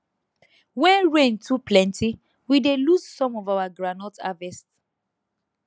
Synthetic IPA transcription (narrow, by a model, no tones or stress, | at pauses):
wɛ̃nɹẽntʰuplɛ̃ntʰi | wideluzsɔ̃mɔvawaɡɹanɔta̰vɛst